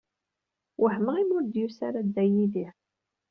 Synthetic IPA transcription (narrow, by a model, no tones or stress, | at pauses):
wʔəħməʁimʊɾd̪jusaɾad̪ːæjiði